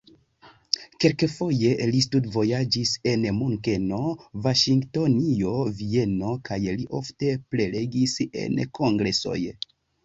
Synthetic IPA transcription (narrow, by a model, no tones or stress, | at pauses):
kelkefo̞je̞listudvo̞jad͡ʒise̞nmuŋke̞no̞vaʃiŋɡto̞nio̞vie̞no̞kajliʔo̞fte̞ple̞le̞ɡise̞̰nkʰo̞ŋɡɾe̞so̞̰j